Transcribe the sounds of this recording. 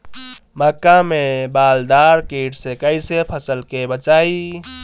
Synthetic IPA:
məkːamebald̪aɾkeːʈsekəɪsepʰəsəlkebət͡ʃaːi

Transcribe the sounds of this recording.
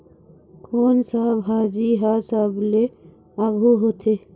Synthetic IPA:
konsəbɦad͡ʒiɦasəble | aɡʱuɦot̪ʰe

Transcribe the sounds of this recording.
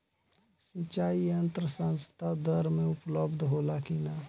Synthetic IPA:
sĩt͡ʃaːiə̃nt̪ɾəsə̃nst̪ʰad̪əɾmẽʊpləbd̪ʱɦoːlakina

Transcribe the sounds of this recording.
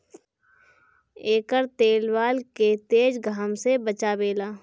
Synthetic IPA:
eːkəɾt̪eːlʋaːlket̪eːd͡ʒɡʱaːmsebət͡ʃabeːlaː

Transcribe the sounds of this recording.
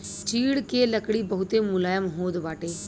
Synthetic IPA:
t͡ʃiːɽkeːləkɽiːbəɦʊt̪emʊlaːjəmɦoːd̪ʋaːʈeː

